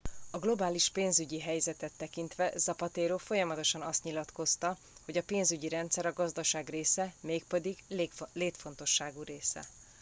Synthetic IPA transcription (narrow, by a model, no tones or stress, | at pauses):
ɒɡlo̞baːliʃpeːnzyɟiɦɛjzɛt̪ɛt̪ːɛkint̪ʋɛzɒpɒt̪eːɾoːfo̞jɒmɒt̪o̞ʃɒnɒst̪ɲilɒt̪ko̞st̪ɒ | ho̞ɟɒpeːnzyɟiɾɛnt̪sɛɾɒɡɒzd̪ɒʃaːɡreːsɛmeːk̚pɛd̪iɡleːkleːt̪fo̞nt̪o̞ʃːaːɡuɾeːsɛ̰